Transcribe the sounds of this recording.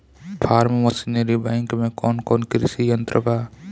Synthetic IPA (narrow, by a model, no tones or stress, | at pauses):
pʰaːɾmʋəsineɾibɛ̃ŋkmẽkɔːnkɔːnkɾɪsijɐnt̪ɾʔəbaː